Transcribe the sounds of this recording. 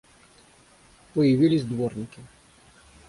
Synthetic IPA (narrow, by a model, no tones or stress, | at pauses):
pɔjɪʋʲilʲizʲd̪ʋɔrnʲɪkʲɪ